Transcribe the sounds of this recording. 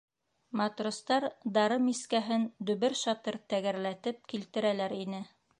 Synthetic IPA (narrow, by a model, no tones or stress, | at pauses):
mɑt̪rŏst̪ɑɾd̪ɑɾɤmiskæɦɘnd̪ɵ̆βɘɾʃɑt̪ɤɾt̪æɣæɾlæt̪ɘp̚kilt̪ɘ̆ɾælæɾinɘ